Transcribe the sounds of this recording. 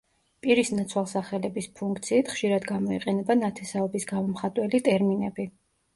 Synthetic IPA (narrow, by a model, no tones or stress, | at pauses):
pʼiɾisnat̪sʰwalˠsaχɛlɛbispʰuŋk̚ʰt̪sʰiːt̪ʰχʃiɾad̪ɡamɔḭqʼɛnɛbanat̪ʰɛsaɔbisɡamɔmχat̪ʼwɛlit̪ʼɛɾminɛbi